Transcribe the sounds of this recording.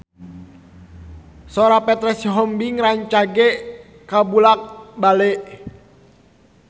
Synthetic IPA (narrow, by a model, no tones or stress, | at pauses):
sɔɾapɛt̪ɾɛsɦɔmbiŋɾaɲt͡ʃaɡɛ | kabulak̚balɛʔ